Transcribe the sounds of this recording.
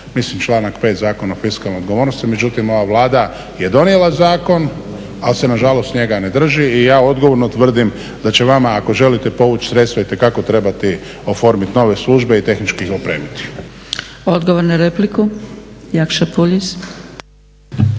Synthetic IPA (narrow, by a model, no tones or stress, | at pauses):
mislimt͡ʃlˠaːnakpe̞ːt̪zaːkonaofiskalneod̪ɡo̞ʋoːɾnost̪imed͡ʒut̪imo̞ʋaʋlˠaːd̪a | je̞d̪o̞nijelˠazaːko̞n | alse̞naʒalost̪ɲe̞ɡane̞d̪r̩ʒiːjaːo̞d̪ɡo̞ʋo̞ɾnot̪ʋr̩d̪im | d̪at͡ɕe̞ʋamaːko̞ʒe̞lit̪epo̞ʋut͡ʃsɾe̞t̪st̪ʋait̪e̞kako̞t̪ɾe̞bat̪i | o̞fo̞ɾmit̪no̞ːʋe̞slˠuʒbe̞it̪e̞xnit͡ʃkixopɾeːmit̪i̥ | od̪ɡoʋoɾnaɾeplikujakʃapuʎis